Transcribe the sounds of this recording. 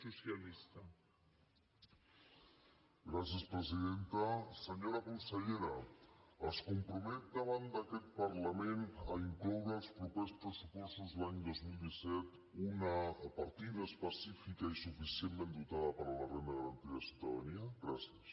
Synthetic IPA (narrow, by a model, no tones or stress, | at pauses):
susjalist̪a | ɡɾasjəspɾəziðent̪əsəɲoɾakunsəʎeɾəəskumpɾumɛt̪̚d̪əβand̪əkɛt̪̚pəɾləmenəiŋklɔwɾəːlˠspɾupespɾəsupɔst̪uzlaɲd̪ozmilˠd̪isɛt̪ | unəːpəɾt̪iðəːspəsifikaisufisiəmmẽnd̪ut̪aðəpəɾələrend̪əɣəɾənt̪iðəsjuwt̪əðaniəɡɾasjəs